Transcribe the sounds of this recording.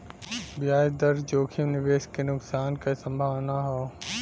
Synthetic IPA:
bjaːd̪ɐɾd͡ʒoːkʰimnɪʋeːʃkenʊksaːnkasə̃mbʱaʋnaɦoː

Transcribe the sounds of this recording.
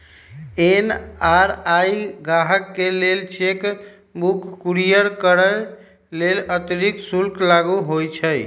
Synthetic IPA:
enaɾajɡaɦəkːelelt͡ʃek | bukʰːuɾijəɾkəɾə | lelət̪ɾiksulklaɡuɦojt͡ʃʰəj

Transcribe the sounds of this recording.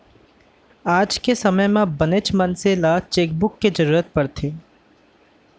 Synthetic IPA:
aːd͡ʒkesɐməjmẽbənet͡ʃmɐnselat͡ʃeːk̚bʊkːed͡ʒəɾuːɾət̪̚pɐɾt̪ʰeː

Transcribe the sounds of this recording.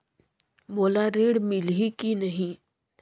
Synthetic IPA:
boːlaɾeːɽmɪlikinɐɦĩ

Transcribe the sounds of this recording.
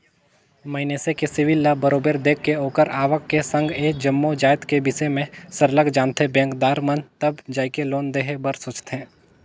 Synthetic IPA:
mɐɪneːsekesɪʋɪlːabəɾoːbeːɾd̪eːkːeoːkəɾaːʋəkːesə̃ŋɡeːkd͡ʒɐmːod͡ʒaːjət̪kebɪsemẽsəɾləɡd͡ʒãːnt̪ʰebɛ̃ːŋkd̪aːɾmənt̪əbd͡ʒaːikeloːnd̪eːɦebəɾsʊːt͡ʃt̪ɦɛ̃ː

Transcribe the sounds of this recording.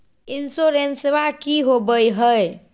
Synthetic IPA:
insoɾenseʋakiɦobəjɦəj

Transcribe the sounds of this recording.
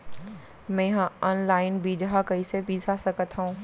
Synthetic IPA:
mɛ̃ːjɐɦãɔːnlaːɪnbʱid͡ʒɦakɐisebiːsasɐkət̪ɦũː

